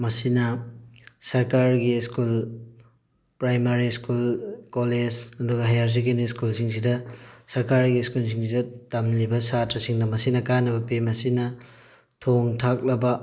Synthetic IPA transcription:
mɐsinɐ | sɐɾkaɾɡiskul | pɾajmaɾiskulkoled͡ʒɐduɡɐɦɐjaɾs̬iɡiniskulsiŋs̬idɐsɐɾkaɾɡiskuls̬ʰiŋsidɐtamlibɐsatɾɐsiŋdɐmɐsinɐkanɐbɐpimɐsinɐ | tʰoŋtʰak̚lɐbɐ

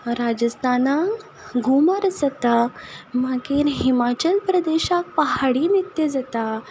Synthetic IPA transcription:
ɾad͡ʑəst̪ʰana | ɡʱumaɾəsət̪amakiːɾɦimat͡ɕəlpɾəd̪eɕak̚paɦaɽinit̪ed͡zat̪a

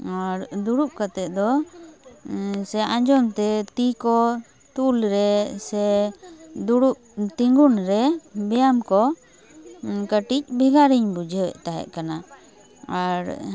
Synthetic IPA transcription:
aɾd̪uɽup̚kat̪ɛʔ̪̚d̪ɔ | sɛãɲd͡ʒɔmt̪ɛt̪ikɔ | t̪ulɾɛsɛ | d̪uɽup̚t̪iŋɡunɾɛbɛjamkɔ | kəʈic̚bʱiɡaɾiɲbud͡ʒʱəwɛ̰ʔt̪aɦɛ̰ʔkana | aɾ

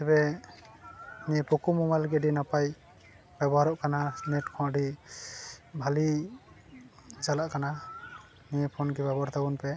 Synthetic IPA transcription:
t̪ɛbɛ | nipɔkumɔmalɡɛɖinapaj | babɔɦaɾɔʔkananɛtkʰɔaɖi | bʱali | zalaʔkana | niɛpʰɔnɡɛbabɔaɾt̪ʰabunpɛ

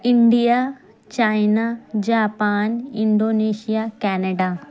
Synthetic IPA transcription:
ɪɳɖija | t͡ɕaːjnad͡ʑaːpaːnɪ̃ɳɖoːneːʃijakɛːneɖa

